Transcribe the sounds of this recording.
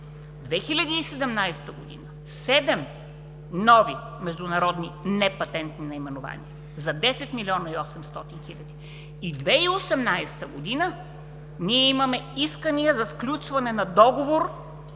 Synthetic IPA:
d̪vɛxilʲɐd̪iːsɛd̪ɛmnajst̪əɡod̪ḭnə | sɛd̪ɛm | nɔvi | mɛʒd̪ʊnɐɾɔd̪ninɛpɐt̪ɛnt̪ninɐimɛnʊva̰nḭə | zɐd̪ɛsɛt̪milʲiɔnɐiɔsɛmst̪ɔt̪inxilʲɐd̪i | id̪vɛiosɛmnajst̪əɡod̪inə | niɛimɐmɛiskəniəzɐsklʲut͡ʃvɐnɛnɐd̪ɔɡovoɾ

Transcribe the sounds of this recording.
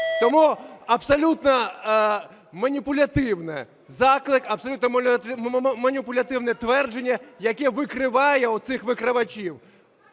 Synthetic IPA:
t̪ɔmuɐbsɐlʲut̪nɐ | mɐnʲipʊlʲɐt̪ɪwnɪ | zɑklˠɪkɐbsɐlʲut̪nɐm | mɐnʲipʊlʲɐt̪ɪwnɛt̪ʋɛrd͡ʒenʲːɐjɐkɛʋɪkɾɪʋɑjɛut̪sɪxʋɪkɾɪʋɐt͡ʃʲiw

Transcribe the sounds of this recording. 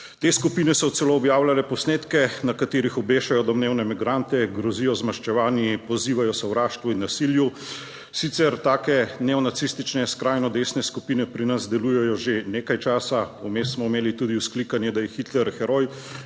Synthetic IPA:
t̪eːskupiːnɛsɔt̪sɛloːbjaːwlalɛpɔsneːt̪kɛnakat̪eːɾixɔbeːʃajɔd̪ɔmneːwnɛmiɡɾant̪ɛɡɾɔziːjɔzmaʃt͡ʃɛʋaːnjipɔziːʋajɔsɛwɾaːʃt̪ʋuinːasilju | sit̪sɛɾt̪aːkɛnɛɔnat̪sist̪it͡ʃnɛskɾaːjnɔd̪eːsnɛskupinɛpɾinazd̪ɛlujɛjɔʒeneːkajt͡ʃaːsaumest̪smɔimeːlit̪ud̪iwsklikanjɛd̪ajɛxit̪lɛɾxɛɾoj

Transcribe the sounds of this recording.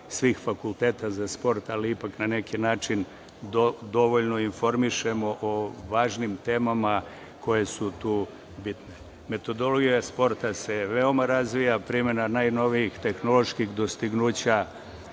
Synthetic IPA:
sʋixfakulˠt̪e̞ːt̪azaspo̞ɾt̪aliipaknane̞kʰinaːt͡ʃin | d̪od̪o̞ʋo̞ʎno̞info̞ɾmiʃe̞mo̞ʔoʋaːʒnimt̪e̞ːmama | kʰo̞je̞sut̪uː | bit̪ne | me̞t̪o̞d̪o̞loɡijaspo̞ɾt̪ase̞ʋeo̞maɾazʋijapɾime̞nanaːjno̞ʋijixt̪e̞xno̞lo̞ʃkixd̪o̞st̪iɡnuːt͡ɕa

